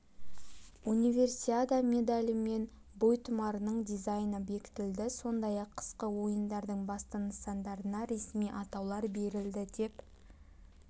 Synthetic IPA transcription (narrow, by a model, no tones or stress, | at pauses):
unʲijvʲe̞rsʲiad̪amʲe̞d̪alʲɪme̞n | bojt̪ʰʊmɑɾənəɴd̪ijzajnəbe̞kʲɪ̥t̪ɪld̪ɪso̞nd̪ɑjɑqʰːə̥sqəwo̞jənd̪ɑɾd̪əɴbɑst̪ɑnəsɑnd̪ɑɾənɑɾe̞smijʔɑt̪ɑwlˠɑɾbe̞ɾɪld̪ɪd̪e̞p